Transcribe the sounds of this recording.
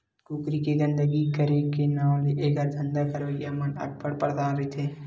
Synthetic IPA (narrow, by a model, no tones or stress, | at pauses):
kukɾikeɡə̃nd̪əɡikəɾekenãːleʔeːɡaɾd̪ʱə̃nd̪akəɾojamənɐ̰ɡ̚pəɽpəɾd̪aːnɾəit̪ʰeː